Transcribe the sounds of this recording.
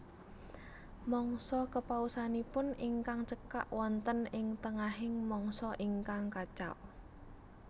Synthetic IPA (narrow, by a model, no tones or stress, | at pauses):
mɔŋsɔkəpausanipʊniŋkaŋt͡ʃəka̰ʔwʔɔnt̪ənɪŋt̪əŋaɦɪŋmɔŋsɔʔiŋkaŋkat͡ʃa̰w